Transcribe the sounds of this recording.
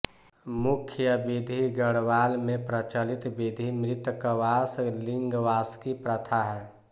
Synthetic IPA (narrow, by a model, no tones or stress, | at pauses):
mʊkʰjəbid̪ʱiɡəɽʋaːlmẽpɾət͡ʃəlɪt̪bid̪ʱimɾɪt̪kəʋaːslɪ̃ŋɡʋaːskipɾət̪ʰaɦɛː